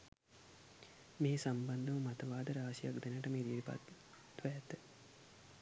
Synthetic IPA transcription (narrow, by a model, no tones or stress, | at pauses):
meːsamband̪əʋəmat̪əʋaːd̪əɾaːsijakd̪enəʈəmeːɾijɾipa̰ | t̪ʋət̪ə